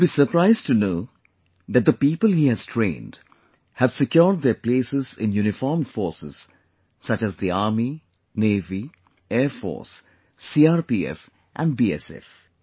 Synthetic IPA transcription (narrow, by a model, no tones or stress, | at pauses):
biːsəpɾaɪzʈunoː | d̪æʈ̚d̪əpiːpəlhiːhæz̥tʰɾḛ̃ːnd | hæʋsɪkjɔːɾɖ̚d̪eɾpleːsɪzɪ̰̃njunɪfɔːɾmfɔːɾsɪ̰z̥ | sʌt͡ʃæzd̪iaːɾmi | neːvi | ɛːɾfɔ̰ːɾsː | iːaːɾpiːɛ̰f | ʔæ̃nɖbiːɛ̰sɛ̰f